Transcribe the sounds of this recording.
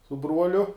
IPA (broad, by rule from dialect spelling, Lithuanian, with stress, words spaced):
sʊ ˈbruɔlʲʊ